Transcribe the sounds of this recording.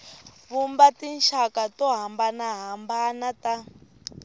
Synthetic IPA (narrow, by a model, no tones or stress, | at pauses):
βumbatinʃakatɔɦambanaɦambanata